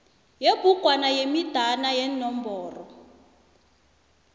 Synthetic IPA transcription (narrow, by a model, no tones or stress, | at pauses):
jebuɡ̥ʱwanajemid̥ʱanajɛnɔmbɔːrɔ